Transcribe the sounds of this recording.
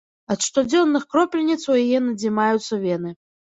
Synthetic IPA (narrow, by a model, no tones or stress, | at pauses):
ɐt̪ʂt̪ɔd͡zʲɔnːɨxkɾɔplʲɛnʲit̪swjɐjɛnɐd͡zʲimajut̪sːɐvʲɛnɨ